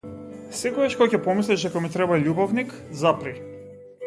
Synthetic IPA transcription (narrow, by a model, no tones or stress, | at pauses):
sɛkɔɡaʃkɔcɛpɔmislɛʃd̪akɔmit̪ɾɛbaʎubɔvnikzapɾi